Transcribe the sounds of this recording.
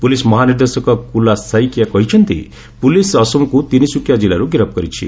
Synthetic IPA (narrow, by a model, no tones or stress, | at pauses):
pulismʌɦaniɾd̪esɔkɔkulasajkjakʌɦit͡ʃʰʌnt̪ḭ | pulisʌsɔmkut̪inisukʰjad͡zilaɾuɡiɾʌp̚ɡʌɾit͡ʃʰḭ